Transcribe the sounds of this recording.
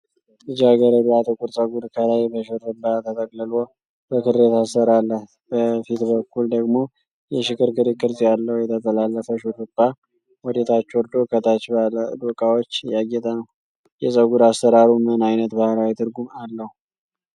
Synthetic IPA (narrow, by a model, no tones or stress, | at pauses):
ɨd͡ʒaɡəɾəɾiat̪ʼɨkʼuɾsʼəɡud̪kʰəlajbəʃɨɾɨnd̪at̪ʰət̪ʰʼəkʼlɨlo | b̥əkʰɨɾet̪asəɾalːəh | bəfit̪bəkːuld̪əɡmo̞ | jɛʃɨkɨɾkʰɨɾikʰʼɨɾzʼjalːəhjɛt̪ʰət̪ʰʼəlalːəfəʃɨɾɨbːa | wɔd̪et̪ʰat͡ʃːwɔɾd̪okʰət̪ʰat͡ʃːbld̪ukʼawot͡ʃːjaɡːɛt̪ʼənəw | jɛsʼəɡud̪astəɾaɾumɨnajnət̪bahlawit̪ʰɨɾɡumalːəhu